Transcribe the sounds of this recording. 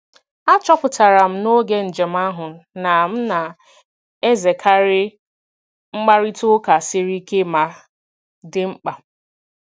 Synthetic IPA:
a˦t͡ʃɔ˦pʊ˨ta˨ɾa˨m̩˦no˦ɡe˦n̩˨d͡ʒe˨m̩˦a˦ɦʊ˨n˦na˨m̩˦na˨ | e˦ze˨kʰa˦ɾɪ˦ | ŋ͡m̩˦ɡ͡ba˦ɾi˦tʊ˦ka˨sɪ˦ɾi˦ke˦ma˨ | dɪ˨ŋ͡m̩˦k͡pa˨

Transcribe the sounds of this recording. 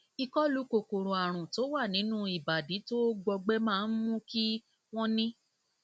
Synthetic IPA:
i˧kɔ˦lu˨˦ko˨ko˨ɾo˨a˨ɾ̃ũ˨to˨˦wa˦˨nĩ˨˦nũ˦i˦˨ba˨di˨˦to˦ɡ͡bɔ˧ɡ͡bɛ˦mãː˦˧n̩˦mũ˦ki˦ | w̃ɔ̃˦nĩ˦

